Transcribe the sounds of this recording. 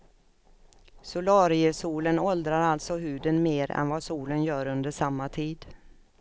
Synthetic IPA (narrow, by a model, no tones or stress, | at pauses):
sʊlɑːɾɪəsuːlənɔld̪ɾaɾalt̪sɔɦʉ̟ːd̪ənmeːɾɛ̰nvɑsuːlənjœːɾɵnd̪əʂamːat̪ʰiːd̪